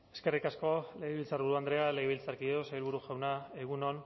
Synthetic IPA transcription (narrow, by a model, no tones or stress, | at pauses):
e̞ske̞rikasko̞le̞ɣeβilt͡sarβuɾuand̪ɾe̞aleɣeβilt͡saɾkiðosajlβuɾuʝawnaeɣ̞unon